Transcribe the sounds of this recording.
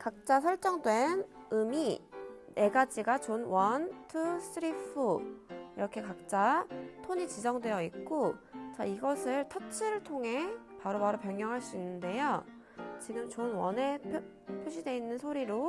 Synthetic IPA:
kak̚t͡ɕ͈as̬ʰʌɭt͡ɕ͈ʌŋdwe̞nɯminʔe̞ɡad͡ʑiɡat͡ɕonwʌntʰɯsɯɾipʰɯiɾʌkʰe̞kak̚t͡ɕ͈atʰoɲit͡ɕid͡ʑʌŋdwe̞jʌik̚k͈ot͡ɕaiɡʌsʰɯɭtʰʌt͡ɕʰiɾɯɭtʰoŋɦe̞paɾomaɾopjʌŋjʌŋɦaɭs͈uinːɯnde̞jo | t͡ɕiɡɯmt͡ɕonwʌnepʰ | pʰuɕ̬ʰide̞inːɯnsʰoɾiɾo

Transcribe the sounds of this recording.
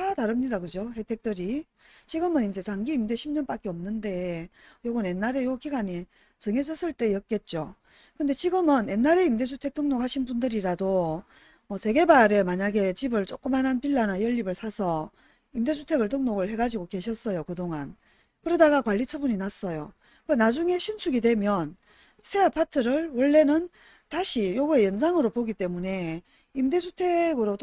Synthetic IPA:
ataɾɯmɲidakɯd͡ʑohe̞tʰe̞k̚t͈ɯɾi | t͡ɕiɡɯmɯnind͡ʑe̞t͡ɕaŋɡiːmde̞ɕʰimɲʌnp͈ak͈eʌmnɯnde̞joɡɯne̞nːaɾe̞jokiɡaɲi | t͡ɕɯŋɦe̞s̬ʰʌs͈ɯɭt͈e̞jʌt̚k͈e̞t̚t͡ɕ͈o | kɯnde̞t͡ɕiɡɯmɯne̞nːaɾe̞imde̞d͡ʑʰutʰe̞k̚tʰoŋnokhaɕʰinbundɯɾiɾado | ʌse̞ɡe̞baɾe̞maɲaɡe̞t͡ɕibɯɭt͡ɕ͈ok͈ɯmɦanɦanpiɭːanajʌʎːibɯɭsʰasʰʌ | imde̞sʰutʰe̞ɡɯɭtʰoŋnoɡɯɭhe̞ɡad͡ʑiɡoke̞ɕʰʌs͈ʌjokɯdoŋan | kɯɾʌdaɡakwaʎːit͡ɕʰʌbuɲinas͈ʌjo | kɯnad͡ʑuŋe̞ɕʰinsʰuɡidwe̞mjʌn | sʰe̞apʰatʰɯɾɯɭwʌɭːe̞nɯn | taɕʰijoɡue̞jʌnd͡ʑaŋɯɾopoɡit͈e̞mune̞ | imde̞sʰutʰe̞ɡɯɾot

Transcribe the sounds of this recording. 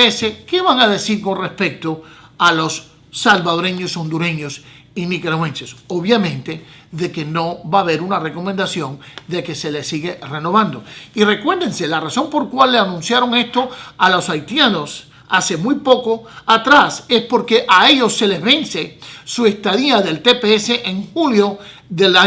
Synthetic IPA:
eseke̞βaŋaðe̞siɾko̞nre̞spe̞k̚t̪oalo̞sː | alβaðoɾe̞ɲo̞so̞nd̪uɾe̞ɲo̞s | inikeɾwẽnsesoβjamẽnt̪e̞ðe̞ke̞no̞βaːβe̞ɾunare̞ko̞mẽnd̪asjõ̞ŋd̪e̞ke̞se̞lesiɣe̞re̞no̞βãnd̪o̞ire̞kwe̞ɾðe̞nse̞laraso̞mpo̞ɾkwalːeanũnsjaɾo̞ŋe̞st̪o̞alo̞sajt̪jano̞s | ase̞mujpo̞ko̞at̪ɾase̞spo̞ɾke̞ʔae̞ʝo̞sːe̞le̞zβe̞nse̞sue̞st̪aðiaðe̞lt̪e̞peese̞ʔeŋxuljo̞ | ðe̞la

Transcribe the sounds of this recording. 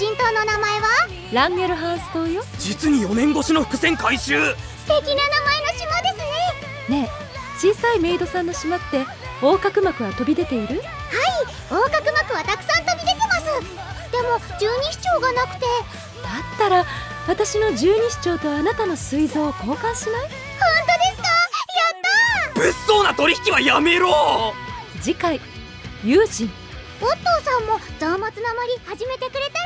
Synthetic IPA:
ɕĩnt̪o̞ːno̞namae̞βa | ɾãŋɡe̞ɾɯ̟ɦãsɨ̥t̪o̞ːjod͡ʑit͡sɨɲ̟ijo̞nẽ̞ŋɡo̞ɕino̞ɸɯ̥kɯ̟sẽ̞ŋkaiɕɨː | st̪e̞kʲinanamae̞no̞ɕimo̞d̪e̞sɨne̞ | ne̞ | t͡ɕiːsaime̞id̪o̞sãnːo̞ɕimḁt̪ːe̞ | o̞ːkakɯ̟makɯ̟βat̪o̞bʲid̪e̞t̪e̞iɾɯ̟ | hai | o̞ːkakɯ̟makɯ̟βat̪akɯ̟̥sãnt̪o̞bʲid̪e̞t̪e̞masɨ | d̪̥e̞mo̞d͡ʑɨːɲ̟iɕi̥t͡ɕo̞ːɡanak̟t̪e̞ | d̪̥at̪ːaɾa | βat̪aɕino̞d͡ʑɨːɲ̟iɕi̥t͡ɕo̞ːt̪o̞anat̪ano̞sɨizo̞ːko̞ːkãɰ̃ɕimas | hõnt̪o̞d̪e̞sɨ̥kajat̪ːab̥ɯsːoːnat̪o̞ɾʲiçi̥kʲiβajame̞ɾoː | d͡ʑikai | jɯːʑĩŋ | ot̪o̞ːsãmːo̞zaːmat͡sɨnamaɾʲihaʑime̞t̪e̞kɯ̟ɾe̞t̪a

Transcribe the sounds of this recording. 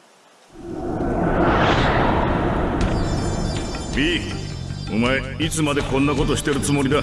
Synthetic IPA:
biː | omae̞it͡sɨmad̪e̞kõ̞nːako̞t̪oɕi̥t̪e̞ɾɯ̟t͡sɨmo̞ɾʲid̪a

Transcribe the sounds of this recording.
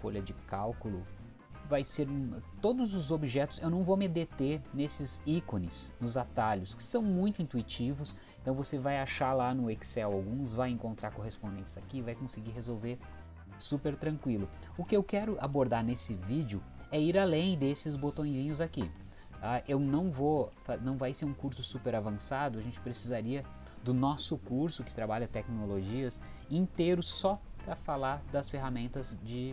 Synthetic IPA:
fo̰ʎɐd͡ʒɪkawkʊlʊ | vajseɾũt̪od̪ʊzʊzobiʒɛt̪ʊ̥sewnɐ̃w̃vomɪd̪et̪enesɪzikonɪsnʊzat̪aʎʊskɪ̥sɐ̃w̃mũj̃t̪ʊĩnt̪uit͡ʃivʊs | ẽt̪ɐ̃w̃vosevajaʃalanʊeksɛwawɡũsvajẽŋkõnt̪ɾaɾkoɦespõnd̪ẽnt͡ʃɪzakiɪvajkõsɪɡiɦezowveɾ | supeɾt̪ɾɐ̃kwilʊ | ʊkɪewkɛɾʊʔa̰boɾd̪aɾnesɪvid͡ʒʊ | ɛiɾalẽj̃d̪esɪzbot̪õj̃zĩɲʊzaki | aʔewnɐ̃w̃vofanɐ̃w̃vajseɾũkuɾsʊsupeɾavɐ̃sad̪ʊaʒẽnt͡ʃɪ̥pɾesizaɾiɐ | d̪ʊnɔsʊkuɾsʊkɪ̥t̪ɾabaʎɐt̪ɛknoloʒiɐs | ĩnt̪ejɾʊsɔ | pɾɐfalaɾd̪ɐsfeɦamẽnt̪ɐzd͡ʒɪ

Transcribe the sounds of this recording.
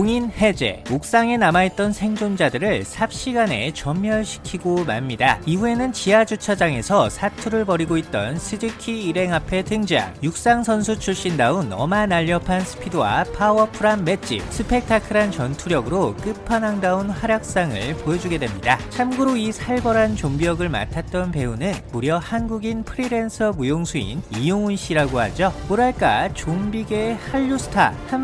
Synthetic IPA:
koŋinhe̞d͡ʑe̞̰ok̚s͈aŋe̞namait̚t͈ʌnsʰe̞ŋd͡ʑond͡ʑadɯɾɯɭsʰap̚ɕ͈iɡane̞̰t͡ɕʌmːjʌɭɕʰi̥kʰiɡoma̰ɭmɲidaiɸue̞nɯnt͡ɕiad͡ʑut͡ɕʰad͡ʑaŋe̞sʰʌsʰatʰuɾɯɭpʌɾiɡoit̚t͈ʌ̰nsʰɯd͡ʑikʰiːɾe̞ŋapʰe̞tʰɯŋd͡ʑiɦa̰njuk̚s͈aŋsʰʌnsʰut͡ɕʰuɭɕ͈indaunʌmanaʎːʌpʰansʰɯ̥pʰidɯwa̰pʰawʌpʰɯɾanme̞t͡ɕ͈ḭsʰɯpʰe̞k̚tʰakʰɯɾant͡ɕʌntʰuɾjʌɡɯɾok͈ɯpʰanaŋdaunhaɾjak̚s͈aŋɯ̰ɭpojʌd͡ʑuɡe̞dwe̞mɲidat͡ɕʰamɡɯɾoisʰaɭbʌɾant͡ɕombijʌɡɯɭma̰tʰat̚t͈ʌnpe̞unɯnmuɾjʌhanɡuɡinpʰɯɾiɾe̞nsʰʌmujoŋsʰuḭnijoŋunɕ͈iɾaɡohad͡ʑʌkoɾaɭk͈a̰t͡ɕombiɡehaʎːusʰɯ̥tʰa̰han

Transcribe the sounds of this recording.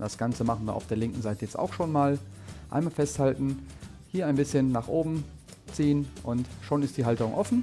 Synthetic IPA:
d̥asɡ̥ant͡səmaχn̩viːɐa̰ʊfd̥eːɐlɪŋkŋ̩zaɪtəjɛt͡sta̰ʊxʃoːnmaːlʔa̰ɪnmaːlfɛsthaltn̩ | hiːɐaɪnbɪsçənːaːχʔoːbm̩ | t͡siːənʔʊntʃoːnɪstd̥iːɦaltəʁʊŋʔɔfn̩

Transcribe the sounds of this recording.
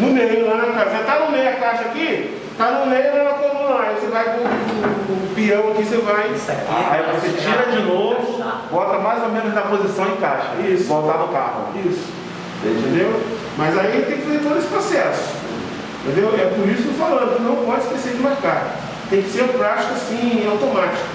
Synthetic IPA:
nʊmejʊlanakaset̪anʊmejʊɐkaʃɐaːki | t̪anʊmejnɐ̃ɛlakõmũlaɛjosevajkõkpiɐ̃w̃akisevajsɛaivoset͡ʃiɾɐd͡ʒɪnovʊbɔt̪ɐmajzomẽnʊznɐpozisɐ̃w̃ẽj̃kajʃɐɛisʊbowt̪anʊka̰hʊ̰ | isʊ̥̃ | ḛ̃t̪ẽnd̪ew | mɐzait̪ẽj̃kɪfzet̪od̪ʊesɪ̥pɾosɛsʊ̥̃ | t̪ẽd̪ewɛpʊɾisʊkefalɐ̃nd̪ʊnɐ̃w̃masɪ̥kesezd͡ʒɪmaɾkaɾ | t̪ẽj̃kɪ̥seɾpɾat͡ʃi̥kasĩawt̪omat͡ʃi̥kʊ̥

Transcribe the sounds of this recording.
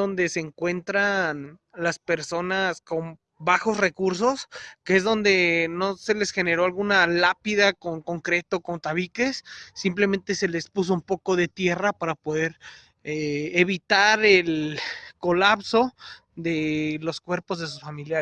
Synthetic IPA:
o̞nd̪e̞se̞ːŋkwe̞nt̪ɾanlaspe̞ɾso̞nasko̞m | baxo̞sre̞kuɾso̞skee̞zðo̞nd̪e̞no̞se̞le̞sxe̞ne̞ɾo̞alɣunalapiðakoŋko̞ŋkɾe̞t̪oko̞nt̪aβike̞sːimple̞mẽnt̪e̞se̞le̞spus̬o̞umpo̞ko̞ðe̞t̪je̞rapaɾapo̞ðe̞ɾ | eeβit̪aɾelko̞lapso̞ | ðe̞lo̞skwe̞ɾpo̞zðe̞s̬usfamilja

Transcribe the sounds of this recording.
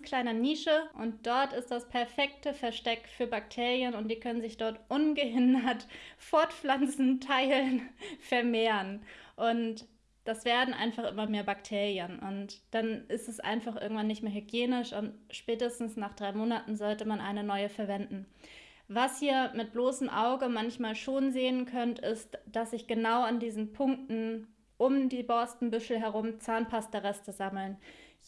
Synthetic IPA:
kʰl̥aɪnəniːʃəʔʊnt̚d̥ɔɐtɪst̚d̥aspʰɛɐfɛk̚təfɛɐʃtɛkfyːɐbaktʰeːʁjənʊnt̚d̥iːkʰœnənzɪçd̥ɔɐtʔʊnɡəɦɪndɐtfɔɐtflant͡sn̩tʰaɪlnfɛɐmeːʁənʔʊnt | d̥asv̥eːɐdn̩ʔa̰ɪnfaχʔɪmɐmeːɐbaktʰeːʁjənʔʊntd̥anʔɪstɛsʔa̰ɪnfaχʔɪ̰ɐɡŋ̩tv̥anːɪçtmeːɐɦyɡjeːnɪʃʊntʃpɛːtəstn̩snaːχd̥ʁaɪmoːnatn̩zɔltəmanʔa̰ɪnənɔʏəfɛɐvɛndn̩ | vashiːɐmɪt̚b̥loːsəmʔaʊɡəmançmaːlʃoːnzeːənkʰœntɪstd̥asz̥ɪçɡ̥ənaʊandiːzn̩pʰʊŋk̚tn̩ | ʔʊmdiːbɔstn̩bʏʃl̩ɦɛʁ̞ʊmt͡saːnpʰastɐʁɛstəzaml̩n

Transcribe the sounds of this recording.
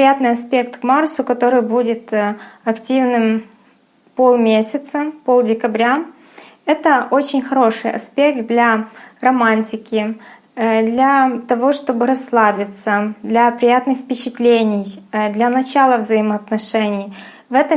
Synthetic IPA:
ɾʲɪjat̪nɨjɐspʲe̞kt̪kmarsʊkɐt̪o̞ɾɨjbudʲɪt̪ɐktʲivnɨm | po̞lˠmʲesʲɪt̪səpo̞lˠdʲɪkɐbɾʲa | ɛt̪əʔot͡ɕɪnʲxɐɾo̞ʂɨjɐ̰spʲe̞k̚t̪̚d̪lʲarɐmanʲtʲɪkʲɪ | d̪lʲat̪ɐvo̞ʂt̪obɨɾɐsːlˠabʲɪt̪səd̪lʲɐpɾʲɪjat̪nɨxfpʲɪt͡ɕɪt̪lʲenʲɪjd̪lʲɐnɐt͡ɕalˠəvzəɪməːt̪nɐʂɛnʲɪj | vɛt̪ə

